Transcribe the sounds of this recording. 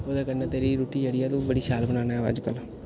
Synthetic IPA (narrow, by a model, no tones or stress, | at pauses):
oːd̪aːkəneːt̪eːɾiːɾoːʈiːd͡ʒəɽijaːt̪õːbəɽiːʃaːlbənaːnaɛʋa̰ːd͡ʒkəl